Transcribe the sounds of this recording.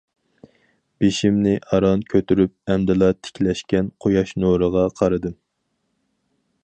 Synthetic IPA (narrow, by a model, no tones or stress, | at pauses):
b̥eʃimnɪʔɑɾɑnkʲʰøt̪yɾyp̚ɛmd̪ɪlˠɑt̪ʰɪ̥kʲlɛʃkʲɛnqʰojɑʃnoɾəʁɑqʰɑɾɨd̪ɨm